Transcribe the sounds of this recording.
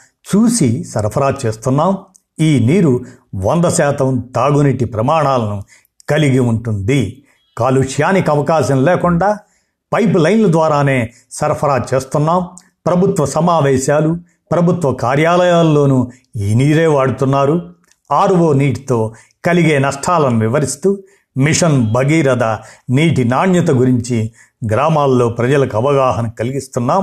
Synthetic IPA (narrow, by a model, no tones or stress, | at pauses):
t͡ʃuːsisɐɾpʰɐɾaːd̪̚t͡ʃeːst̪unːaːm | iːniːɾuʋɐnd̪ɐsɛːt̪ɐmt̪aːɡuniʈːipɾɐmaːɳaːlɐnu | kɐliɡiuɳʈund̪i | kaːluʂjaːnikɐʋɐkaːʃɐ̃mlɛːkuɳɖaː | pɐjplɐjnlɐd̪ʋaːɾaːneː | sɐɾpʰɐɾaːd̚t͡ʃeːst̪unːaːm | pɾɐbʱut̪ʋɐsɐmaːʋɛːʃaːlu | pɾɐbʱut̪ʋɐkaːɾjaːlɐjaːlːo̞ːnu | iːniːɾeːʋaːɽut̪unːaːɾu | aːɾʋoːniːʈi̥t̪o̞ː | kɐliɡeːnɐʂʈʰaːlɐniʋiʋɐɾist̪uː | miʂɐnbʱɐɡiːɾɐd̪ɐniːʈinaːɳjɐt̪ɐɡuɾiɲt͡ʃi | ɡɾaːmaːlːo̞ːpɾɐd͡ʒɐlɐkɐʋɐɡaːɦɐnɐkɐliɡist̪unːaːm